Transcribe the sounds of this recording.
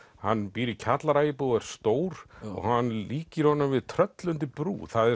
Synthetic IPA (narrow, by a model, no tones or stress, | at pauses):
hanːpiːɾicʰat̪laɾaːjɪpuɣaɾ̥st̪oːwɾ̥ɔ̰ɣhanːliːcɪɾ̥hɔnːʏmvɪðt̪ʰɾœt̪lʏnt̪ɪpɾṵːθaðɛ